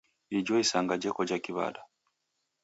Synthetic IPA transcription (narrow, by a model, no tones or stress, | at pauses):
iɟwoisaŋɡaɟekoɟakiβa̰ːda